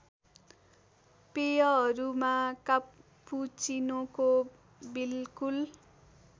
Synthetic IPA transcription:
pejʌɦʌɾumaka | pːut͡sinoko | bilkul

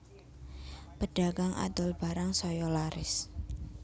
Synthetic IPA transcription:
pəɖ̥aɡaŋa̰d̪ʊlb̥aɾaŋsɔjɔlaɾɪ̰s

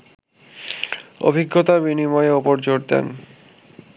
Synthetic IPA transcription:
o̰bʱiɡʱːot̪abinimɔeopoɾd͡ʑoɾd̪ḛn

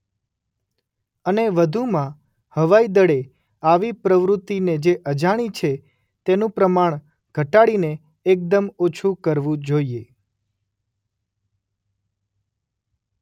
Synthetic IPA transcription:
əneʋəd̪ʱumã | həʋaid̪əɽe | aʋipɾəʋɾʊt̪ːined͡ʒeʔəd͡ʒaɽ̃it͡ʃʰe | t̪enũpɾəmaɳ̃ | ɡ̥ʱəʈaɽineː | k̚d̪əmot͡ʃʰukəɾʋũd͡ʒoie

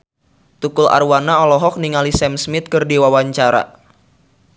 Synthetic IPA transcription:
t̪ukʊla̰rwanaɔlɔɦɔk̚niŋalisɛmsmɪt̪̚kɨrdiwawaɲt͡ʃaɾa̰

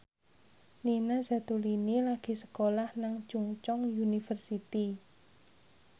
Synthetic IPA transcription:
linaza̤t̪ulinilaɡ̥i̤sə̥kolahnaŋt͡ʃuŋt͡ʃɔŋjunifərsit̪i

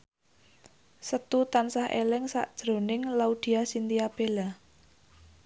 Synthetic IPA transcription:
sət̪ut̪ansahʔḛlɪŋsa̰ʔd̥ʒ̥ɾonɪŋlaud̪̥i̤asint̪iab̥ela

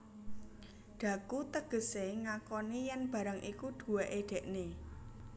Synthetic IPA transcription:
ɖ̪̥ä̤kut̪əɡ̥ə̤seŋakɔnijɛnb̥ä̤ɾaŋʔikuɖ̪̥ṳweʔeɖ̥ɛ̤ʔne

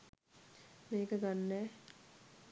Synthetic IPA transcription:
meːkəɡanːɛː

